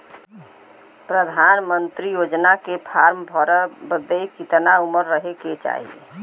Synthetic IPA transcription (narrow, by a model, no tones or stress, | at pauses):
pɾəd̪ʱanmənt̪ɾijod͡ʒnakepʰaɾmbʱɔɾəbəd̪ejkit̪nauməɾːəɦeket͡ʃa̰ːɦḭḛ